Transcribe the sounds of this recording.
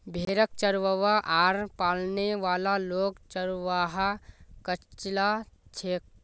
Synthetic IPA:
bʱeːɾək̚t͡ʃəɾʋəʋaʔaːɾpaːlneʋaːlaloːɡt͡ʃəɾʋaːɦakət͡ʃlat͡ʃʰeːk̚

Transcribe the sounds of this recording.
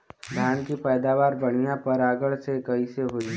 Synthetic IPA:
d̪ʱjaːnkipɛːd̪aːʋaːɾbɐɽ̤̃ijãpɐɾaːɡəɭsekɐɦiseɦoːd͡ʒi

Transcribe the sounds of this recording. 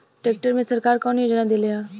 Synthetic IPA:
ʈeːk̚ʈəɾmẽsəɾkaːɾkɔːnjoːd͡ʒnad̪elejaː

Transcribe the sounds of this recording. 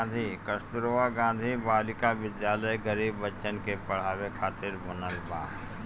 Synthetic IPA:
nd̪ʱikəst̪ɾoːʋaɡãːnd̪ʱibaːlɪkaʋɪd̪jaːləɡəɾiːbːətːʃənkepɐɽ̤aːʋekʰaːt̪ɪɾbɐnəlbaː

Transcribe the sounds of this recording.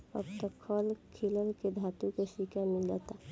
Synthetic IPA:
ə̰bt̪əkʰːɔlkʰiləlked̪ʱaːt̪ukeʃikʰamɪlat̪a

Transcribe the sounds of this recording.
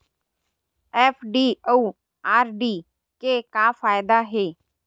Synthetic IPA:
ɛːpʰɖiːouː | aːɾɖiː | keːkaːfaːjɪd̪aːɦeː

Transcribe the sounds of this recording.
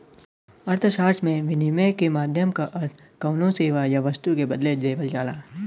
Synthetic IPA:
ɐɾt̪ʰʃaːɾt͡ʃmẽʋɪnimekemaːd̪ʱjəmkaʔɐɾt̪ʰ | kɐʊnõseːʋajaʋəst̪ukebɐd̪led͡ʒeːʋəld͡ʒaːlaː

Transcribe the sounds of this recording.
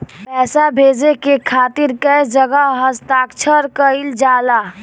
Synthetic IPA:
pɛːsabʱeːd͡ʒekekʰaːt̪ɪɾkəjd͡ʒəɡəɦəst̪aːkt͡ʃʰəɾkəɪld͡ʒaːlaː

